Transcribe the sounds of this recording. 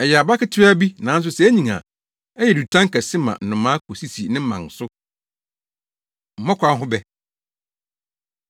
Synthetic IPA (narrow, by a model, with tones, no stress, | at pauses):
ɛ˨jɛ˨a˨ba˦kɪ˦tʰɪ˦a˦bi˦nã˨˦n̩˦s̬ʊ˦sɛ˨˦æ˦ɲĩ˨ŋã̰˨ | ɛ˦jɛ˨du˨tʰã˦ŋ˦ka˨sɪ̃˦mã̰˨n̩˨nʊ̃˨mã˦kʰo˨si˦si˨nɪ̃˦m̩˦mã̰˨n˨sʊ˦ | m̩˨˦mɔ̃˦kʷʰa˦n˦ɦʊ̃˦bɛ˦˨